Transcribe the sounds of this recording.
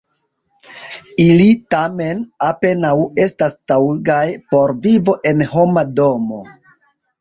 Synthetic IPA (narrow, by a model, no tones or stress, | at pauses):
ilitame̞nape̞nawe̞stastawɡajpo̞ɾvivo̞ʔe̞nho̞mado̞mo̞